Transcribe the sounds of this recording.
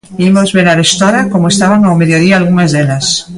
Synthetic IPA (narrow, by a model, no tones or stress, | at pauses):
imozβeɾaɾest̪ɔɾakomoest̪aβaŋawmeðjoðiaːlɣuŋazðelɐs